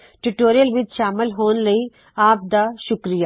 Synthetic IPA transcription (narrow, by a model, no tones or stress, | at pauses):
ʈuʈoːɾijəlʋɪd͡ʒ̪ʃaːmɪlɦoːnlɐi | aːp̚d̪aʃʊkɾija